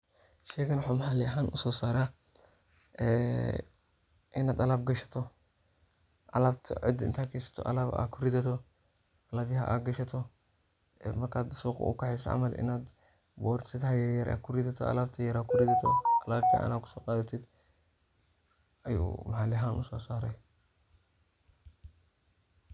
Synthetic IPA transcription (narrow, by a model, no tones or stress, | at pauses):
ʃɛːkɐnwʊħuːmɐħalɪɐɦaːnʔʊsɔːsaːɾaː | ɛ̰ː | ʔɪnaːd̪ɐlaːb̚ɡɐʃɐ̥t̪ʰɔ | ʔɐ̰lɐbt̪ʰɐ̰ʕɪ̰d̪ɪ̰nt̪ʰakʰɛːsɐ̥t̪ʰɔ̰ʔɐ̰lɐba̰ːkʰʊɾidɐt̪ʰɔ | ʔɐlɐːbjɐɦɐ̰ʔa̰ːɡɐʃɐt̪ʰɔ | mɐrkʰaːd̪suːqʊ̰ʔʊ̰kɐħɛsɐ̰ʕa̰mɐlɪ̰naːd̪ | bɔːɾsɪt̪ɐjɛjɐɾʔa̰kʰʊrɪd̪ɐt̪ʰɔ̰ɐ̰lɐbt̪ʰɐjɐɾaːkʰʊɾɪd̪ɐt̪ʰɔ̰kʰɐlaːbkḭʕʔa̰naːd̪̚kʰʊ̥sɔːqʼaːd̪ɐt̪ʰɪd̪ | ɐjṵːmɐħaːlɛɦaːnʊsɔːsaːɾɛj